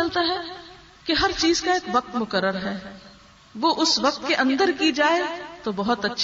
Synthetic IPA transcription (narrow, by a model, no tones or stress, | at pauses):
ɐlt̪aɦɛ | keɦɐɾt͡ʃiːzkaeːkʋɐq̚t̪mʊkəɾːəɾɦɛː | ʋoːʔʊsʋɐq̚t̪keʔɐ̃nd̪əɾkid͡ʒaːet̪obɐɦʊt̪ɐtːʃʰ